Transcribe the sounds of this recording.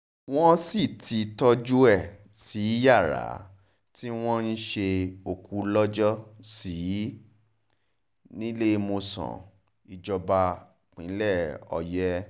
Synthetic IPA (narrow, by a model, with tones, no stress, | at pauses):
w̃ɔ̃˦si˦˨tʰi˨˦tɔ˦d͡ʒu˦ɛ˦˨ | si˨˦ja˦˨ɾa̰˨˦ | ti˦w̃ɔ̃˦n̩˦ʃe˧o˨ku˨˦lɔ˦d͡ʒɔ˦si˨˦ | nĩ˦le˦˧mo˧sɔ̰̃˨ | i˨d͡ʒɔ˧ba˧ | k͡pĩ˨˦lɛ˦˨ɔ̰˨jɛ˧˦